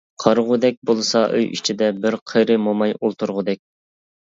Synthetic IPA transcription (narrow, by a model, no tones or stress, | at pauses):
qʰɑɾʁʊd̪ɛk̚ʲbolˠɨsɑʔø̰jʔḭt͡ʃʰid̪ɛbɪɾqʰəɾɨmomɑjolˠt̪uɾʁʊd̪ɛk̚ʲ